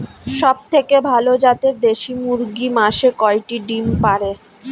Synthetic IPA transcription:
ʃɔb̚t̪ʰekebʱalod͡ʑat̪eɾd̪eʃimuɾɡimaʃekɔeʈiɖimpaɾe

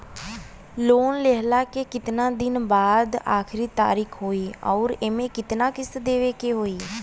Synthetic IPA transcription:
loːnleːɦlaːkeːkɪt̪nãːd̪ɪnbaːd̪a̰ːkʰɪɾiːt̪a̰ːɾiːkʰɦoːiːɔːɾeːmẽːkɪt̪nãːkɪsd̪eːʋeːkeːɦoːiː

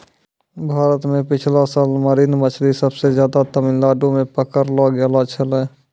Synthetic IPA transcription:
bʱaːɾət̪mẽpɪt͡ʃʰlasaːlməɾiːnmət͡ʃʰlisəbsed͡ʒjaːd̪at̪əmɪnlaːɖõmẽpəkəɾlɔɡɛlat͡ʃʰəlɛ

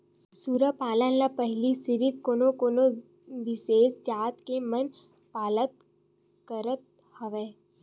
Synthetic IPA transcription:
suːɾəpaːlənlapɐɦlisɪɾɪkːoːnokoːno | ʋɪseːsd͡ʒaːt̪kemən | paːlət̪ | kəɾət̪̚ | hɐʋeː

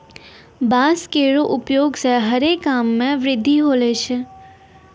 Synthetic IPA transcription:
baːskeːɽoʔʊpjoːɡsɛɦɐɾeːkːaːmːẽʋɾɪd̪ʱːiɦoːleːt͡ʃʰɛ

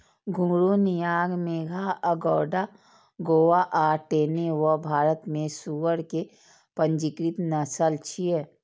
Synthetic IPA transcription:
ɡʱũɡɾunijaːɡmeːɡʱaəɡɔːɖa | ɡoːwaʔaːʈeːnewəbʱaːɾət̪mẽsuwəɾke | pə̃ɲd͡ʒikɾit̪nəsəlt͡ʃʰiɛ

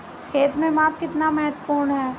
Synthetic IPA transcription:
kʰeːt̪mẽmaːp̚kɪt̪namɛɦət̪əpuːɾɳɦɛː

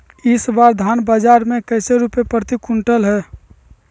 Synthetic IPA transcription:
ɪsbaɾd̪ʱanbad͡ʒaɾmẽkəɪseɾupepɾət̪ikuɳʈəlɦɛː

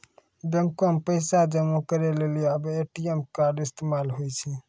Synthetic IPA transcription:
bemkompəɪsad͡ʒəmukəɾeleliəbeʈiemkaːɖɪst̪emaːlɦojt͡ʃʰi

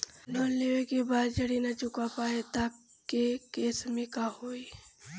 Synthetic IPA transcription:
loːnleʋekebaːd̪d͡ʒəɽinɐt͡ʃʊkapaːet̪a | kːekeːsmẽkahoːi

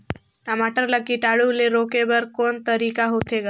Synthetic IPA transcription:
ʈamaʈəɾləkːiʈaɽuleɾoːkebəɾkoːnt̪əɾiːkaɦot̪ʰeɡa

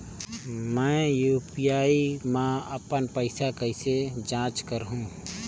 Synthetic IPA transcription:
mɛ̃ːjuːpijaːimãəpənpəɪsakəɪsed͡ʒãːt͡ʃkəɾɦũː

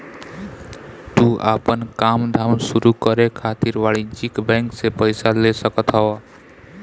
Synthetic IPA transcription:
t̪uʔa̰pənkamd̪ʱamsuɾukəɾekʰat̪iɾʋaɭid͡ʒikbɛ̃ŋksepəɪsalesəkət̪ɦəa

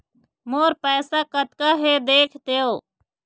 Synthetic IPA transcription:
moːɾpɛːsakət̪kaɦed̪eːkʰt̪eːo

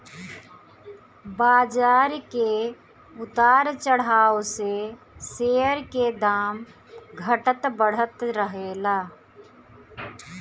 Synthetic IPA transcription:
baːd͡ʒaːɾke | ʊt̪aːɾt͡ʃəɽ̤aːose | seːəɾked̪aːm | ɡʱəʈət̪bəɽ̤ət̪ɾəɦeːlaː

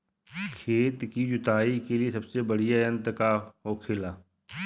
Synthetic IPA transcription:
kʰeːt̪kid͡ʒʊt̪aːikeliesəbsebəɽijaɪ̃nt̪kaɦoːkʰeːlaː

